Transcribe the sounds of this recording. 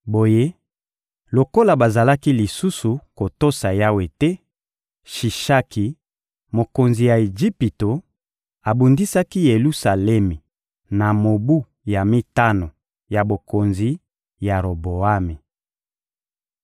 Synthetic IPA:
bo˨je˦ | lo˨ko˦la˨ba˨za˨la˦ki˦li˨su˦su˨ko˨to˦sa˨ja˦we˨tɛ˦ | ʃi˨ʃa˦ki˨ | mo˨ko˨nzi˨ja˨e˨d͡ʒi˦pi˨to˨ | a˨bu˨ndi˦sa˦ki˦je˨lu˦sa˨lɛ˦mi˨ | na˨mo˨bu˦ | ja˨mi˦ta˦no˨ | ja˨bo˨ko˨nzi˨ | ja˨ʁo˨bo˨a˦me˨

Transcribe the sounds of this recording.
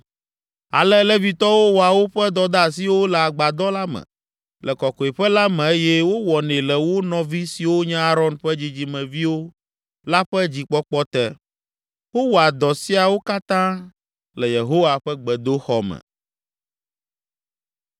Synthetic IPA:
a̰˨lɛ˦lɛ˦vi˨t̪ɔ˦wo˦wɔ˨a˨wo˦ɸɛ˦d̪ɔ˦d̪a˦a˨s̬i˦wo˦lɛ˨a˨ɡ͡ba˨d̪ɔ˦la˦mɛ̰̃˨ | lɛ˨kɔ˨kɔ˨e˨ɸɛ˦la˦mɛ̃˨e˦jɛ˦wo˦wɔ˨nɛ̃˨lɛ˨wo˦nɔ̃˨vi˦si˨wo˦ɲɛ̃˦a˦ɾɔ˦nɸɛ˦d͡ʑi˦d͡ʑi˦mɛ̃˨vi˦wo˦ | la˦ɸɛ˦d͡ʑi˨k͡pɔ˦k͡pɔ˦t̪ɛ˦ | wo˦wo˨a˨d̪ɔ˨si˦a˨wo˦ka˦t̪ã˦ | lɛ˨je˨ɦo˦wa˨ɸɛ˦ɡ͡bɛ˨d̪o˦xɔ˦mɛ̰̃˨

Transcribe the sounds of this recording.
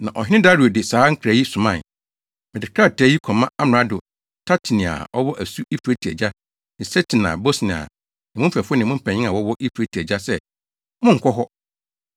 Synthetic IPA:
nã˨ʔɔ̰˨ɦɪ˦nɪ̃˦da˦ɾi˨o˨dɪ˨saː˨˦ŋ̩˦kʰɾa˨˦ji˦sʊ̃˨mã˦˨n | mɪ̃˨dɪ˨kʰa˦˨tʰɛ˦ji˦kʰɔ˨mã˦a˦m˨ɾa˦dʊ˨ | tʰa˦tʰi˨nĩ˨a̰˨ɔ˦wɔ˦ʔæ˨su˦i˦fu˨ɾe˦tʰi˨æ̰˨d͡ʑa˦ | nɪ̃˨sɛ˦tʰɪ˨n˨ã̰˨bo˦snɪ̃˨a̰˨ | nɪ̃˨mʊ̃˦m̩˦fɛ˨fnɪ̃˨mʊ̃˦m̩˦pʰɛ˨ɲɪ̃˦ã˨wɔ˦wɔ˦ʔi˦fu˨ɾe˦tʰi˨æ˨d͡ʑa˦sɛ˦ | mʊ̃˦ŋ̩˨kʷʰɔ˦ɦɔ˦

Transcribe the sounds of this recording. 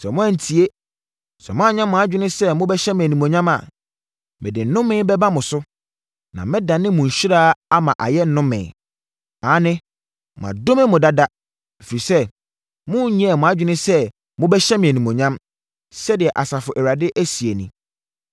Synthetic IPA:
sɛ˨mʊ̃˦ã˦n̩˨tʰi˨e˦ | sɛ̰˨mʊ̃˦a˦ɲã˦mʊ̃˨a˦d͡ʑᶣɪ˦nɪ̃˦sɛ˦mʊ̃˦bɛ˦ɕɛ˦mɪ̃˨æ˨nĩ˨mõ˨ɲã˦ma̰˨ | mɪ̰̃˨dɪ˨n̩˦nʊ̃˦mɪ̃ː˦bɛ˦ba˦mʊ̃˨sʊ˦ | nã̰˨mɪ̃˦dã˨nɪ̃˦mʊ̃˨ɕᶣɪ˦ɾaː˦a˦mã˨ʔa˨jɛ˦n̩˦nʊ̃˦mɪ̰̃˨ | aː˨˦nɪ̃˦ | mʊ̰̃˨a̰˨do˦mɪ̃˦mʊ̃˨da˦da˦ | e˨fi˨i˨sɛ˦ | mʊ̃˦˨ɲĩ˦a˨mʊ̃˨a˦d͡ʑᶣɪ˦nɪ̃˦sɛ˦ | mʊ̃˦bɛ˦ɕɛ˦mɪ̃˨æ˨nĩ˨mõ˨ɲã˦m | sɛ˦dɪ˨ɛ˨ʔa˨sa˨fʊ˨ʔæ˨wa˨dɪ˦ʔæ˦si˨e˨nḭ̃˦

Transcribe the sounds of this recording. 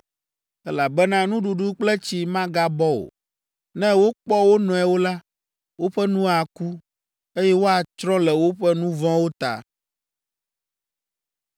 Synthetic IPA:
ɛ˦la˨bɛ˦nã˦nũ˦ɖu˨ɖu˦k͡plɛ˦t͡ɕi˨mã˦ɡa˦bɔ˦o̰˨ | nɛ̃˦wo˦k͡pɔ˦wo˦nɔ̃˨ɛ˨wo˦la˦ | wo˦ɸɛ˦nũ˦a˨ku˦ | e˦jɛ˦wo˦a˨t͡ʃɾɔ̃˦lɛ˨wo˦ɸɛ˦nũ˦vɔ̃˦wo˦t̪a̰˨

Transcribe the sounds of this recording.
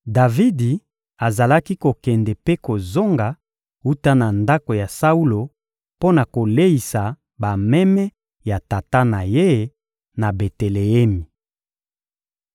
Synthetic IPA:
da˨vi˦di˨ | a˨za˨la˦ki˦ko˨kɛ˨ndɛ˨pe˦ko˨zo˦ŋɡa˨ | u˦ta˦na˨nda˦ko˨ja˨sa˦u˦lo˨ | po˦na˨ko˨le˦i˨sa˨ | ba˨mɛ˦mɛ˦ | ja˨ta˨ta˦na˨je˦ | na˨be˨te˨le˨ɛ˦mi˨

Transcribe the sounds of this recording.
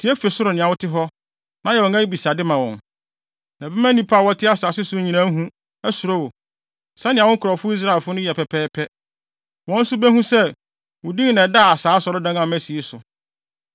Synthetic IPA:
tʰi˨˦ɛ˦fe˨sʊ˦ɾʊ˨nɪ̃˨ã˨wʊ˦tʰɪ˦ɦɔ˦ | nã˦jɛ˨wɔ̃˨ŋæ˦i˦bi˨sa˨dɪ˦mã˨wɔ̰̃˨n | nã˨bɛ˦mæ̃˦nĩ˦pʰa˦˨wɔ˦tʰɪ˦a˦saː˨sɪ˦sʊ˦ɾʊ˦ɲĩ˨nã˦ɦũ˦ | æ˦su˨ɾo˦wo˨ | sɛ̃˦nɪ̃˨a˨wʊ̃˦ŋ˦kʰʊ˨ɾɔ˨fʊ˦i˦s̬ɾa˦˨ɪ˨lfʊ˦nʊ̃˦jɛ˨pʰɛ˨pʰɛː˦pʰɛ˦ | wɔ̃˦n̩˦sʊ˦bɛ˦ɦũ˦sɛ˦ | wʊ˨dĩ˦ŋ˦nɛ̃˨da˦˨a˨saː˨˦sɔ˨ɾʊ˦dã˦ŋã˨mæ˦si˨e˦sʊ˨

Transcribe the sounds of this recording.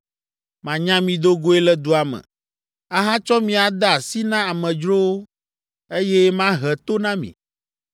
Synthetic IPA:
mã˨ɲã˦mĩ˨d̪o˦ɡo˦e˦lɛ˦d̪u˦a˨mɛ̰̃˨ | a˦ɦa˦t͡ʃɔ˦mĩ˦a˨d̪a˦˨si˦nã˦a˨mɛ̃˨d͡ʒɾo˦wo˦ | e˦jɛ˦mã˦ɦɛ˨t̪o˦nã˦mḭ̃˨

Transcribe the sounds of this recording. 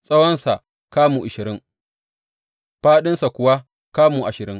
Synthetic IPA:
sʼɐ˦wɐ˦nsa˨ | kaː˦muː˨ʔɪ˨ʃɪ˨ɾɪ˦ŋ | ɸaː˦ɗɪ˦nsa˨kʷʊ˨wa˦ | kaː˦muː˨ʔa˨ʃɪ˨ɾɪ˦ŋ

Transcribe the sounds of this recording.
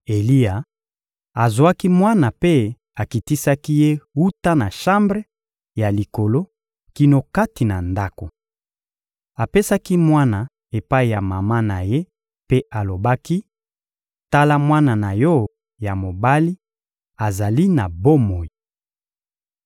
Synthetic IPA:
e˨li˦a˨ | a˨zwa˦ki˦mwa˦na˨pe˦ | a˨ki˨ti˦sa˦ki˦je˦wu˦ta˦na˨ʃã˦mbʁe˦ | ja˨li˨ko˨lo˦ | ki˦no˦ka˦ti˨na˨nda˦ko˨ | a˨pe˦sa˦ki˦mwa˦na˨ | e˨pa˦i˨ja˨ma˨ma˦na˨je˦ | pe˦a˨lo˨ba˦ki˦ | ta˦la˦mwa˦na˨na˨jɔ˦ | ja˨mo˨ba˦li˦ | a˨za˨li˦na˨bo˦mo˨ji˨

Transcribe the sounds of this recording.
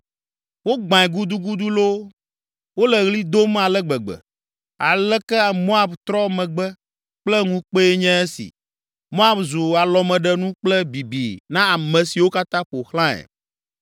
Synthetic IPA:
wo˦ɡ͡bã˨ɛ˨ɡu˦d̪u˦ɡu˦d̪u˦lo˦ | wo˦lɛ˨ɣli˦d̪o˦m˦a˨lɛ˦ɡ͡bɛ˨ɡ͡bɛ̰˨ | a˨lɛ˦kɛ˦a˨mõ˦a˨bt̪ɾɔ˦mɛ̃˨ɡ͡bɛ˦ | k͡plɛ˦ŋũ˦k͡pe˦ɛ˦ɲɛ̃˦ɛ˦sḭ˨ | mõ˦a˦bzu˨a˨lɔ˨mɛ̃˨ɖɛ˨nũ˦k͡plɛ˦bi˨bi˨nã˦a˨mɛ̃˨si˨wo˦ka˦t̪ã˦ɸo˨xlã˦ɛ̰˨

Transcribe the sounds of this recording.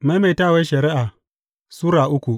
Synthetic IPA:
ma˦ma˨˦taː˦˨wa˦ʃɐ˨ɾɪ˦ʔa˨ | suː˦ɾaː˨ʔʊ˦kʷu˨

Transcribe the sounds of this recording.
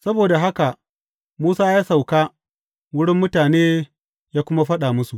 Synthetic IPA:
sɐ˦boː˨da˨ɦa˦ka˨ʔ | muː˦saː˦jaː˦sa˨wkaː˦ | wʊ˦ɽɪ˦mːʊ˦taː˨neː˦ | jaː˦kʷʊ˦ma˦ɸɐ˦ɗa˨mʊ˦su˨ʔ

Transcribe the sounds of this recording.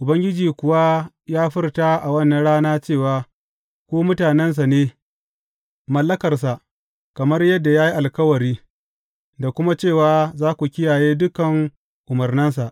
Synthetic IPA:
ʔʊ˨bɐ˦ŋɡʲɪ˦d͡ʒiː˨kʷʊ˨wa˦ | jaː˦ɸɪ˦rtaː˦ʔa˨wɐ˦˨nːɐ˨nɽaː˦naː˦t͡ʃeː˦˨waː˨ | kʷoː˦mʊ˦taː˨nɛ˦ns̬a˨neː˦ | mɐ˨lːɐ˦kɐ˨rs̬a˨ʔ | kɐ˨mɐ˦rjɐ˦dːa˨jaː˦ji˦ʔa˨lkɐ˦wɐ˨ɾiː˦ | da˨kʷʊ˦ma˦t͡ʃeː˦˨waː˦zaː˦kʷu˨kʲɪ˦jaː˨jeː˦dʊ˦kɐ˨ŋ | ʔʊ˨mɐ˨rnɪ˦ns̬a˨ʔ

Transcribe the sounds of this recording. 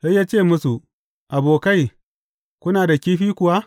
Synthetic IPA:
sa˦jːaː˦t͡ʃeː˦˨mʊ˦su˨ | ʔa˨boː˨ka˦j | kʷʊ˦naː˨da˨kʲiː˦ɸiː˦kʷʊ˨wa˦

